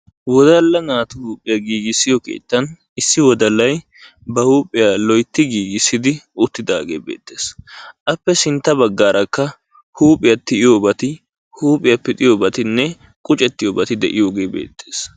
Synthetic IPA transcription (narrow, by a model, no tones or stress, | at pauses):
wɔd̪ɐlːɐnaːt̪ʊhuːpʼɪjɐɡiːɡɪsːɪjɔkḛːt̪ːɐn | ɪsːɪwɔd̪ɐlːɐj | bɐhuːpʼːɪjalɔjt̪ːɪɡiːɡɪsːɪd̪ɪʊt̪ːɪd̪aːɡḛːbḛːt̪ːe̞ːsʔɐpːɛsɪnt̪ːɐbɐɡːaːɾʔɐkːɐ | huːpʼɪjɐt̪ːɪɪjoːbɐt̪ɪ | huːpʼɪjɐpːɛt̪ʼɪjoːbɐt̪ɪnːɛ | kʼʊt͡ʃʼɛt̪ːɪjoːbɐt̪ɪd̪ɛʔɪjo̞ːɡe̞ːbḛːt̪ʰːeːs